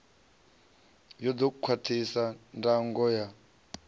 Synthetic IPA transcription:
jɔd̪okukʰwatʰisandʼaŋɡɔja

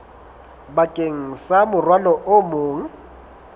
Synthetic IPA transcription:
bakʼeŋ̩samʊrwalɔʔomoːŋ̩

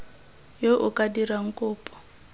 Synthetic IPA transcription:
joʔukʼadiɾaŋ̩kʼʊːpʼɔ̥

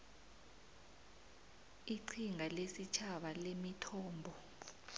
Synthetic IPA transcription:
iǀʰiŋʱalesit͡ʃʰaɓalemitʰɔːmbʱɔ

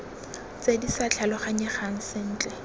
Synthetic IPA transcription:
t͡sedisat͡ɬʰalɔχaɲɛχaŋ̩sɪn̩ːt͡ɬʼɛ

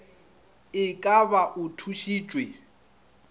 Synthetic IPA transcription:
ɪkʼaβaʔʊtʰuʃiːt͡ʃʼwe

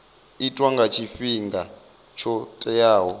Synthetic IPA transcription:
itʼwaŋɡat͡ʃʰifiŋɡa | t͡ʃʰɔtʼɛjaːɦɔ

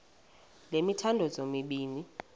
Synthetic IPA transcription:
lemitʰandʱɔzomiɓiːni

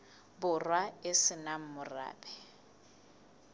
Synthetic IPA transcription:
bʊrwaɪsɪnam̩mʊra̰ːbɛ

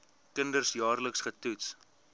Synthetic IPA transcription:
kəndərsjɑːrləksχətuts

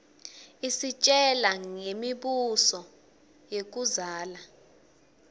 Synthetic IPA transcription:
isit͡ʃʼɛlaŋemiɓusɔ | jek̬uzaːla

